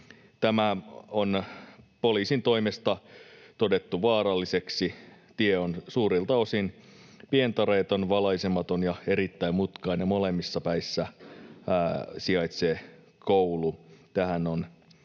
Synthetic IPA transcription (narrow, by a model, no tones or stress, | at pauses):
t̪æmæonpoliːsint̪o̞imest̪ɑt̪odet̪ːuʋɑːɾɑlːiseksit̪ieonsuːɾilt̪ɑosinpient̪ɑɾeːt̪onʋɑlɑisemɑt̪onjɑeɾit̪ːæimut̪kɑinemolemːisːɑpæisːæ | siɑit̪seː | koulut̪æhænon